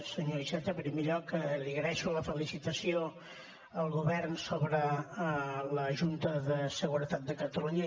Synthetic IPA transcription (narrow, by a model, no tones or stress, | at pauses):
səɲoiʃɛt̪epɾimeʎɔkːəliɣɾɛʃuləfəlisit̪əsio | əlˠɣuβɛrnsoβɾə | ləʒunt̪əðəsəɣuɾət̪at̪̚d̪əkət̪əluɲə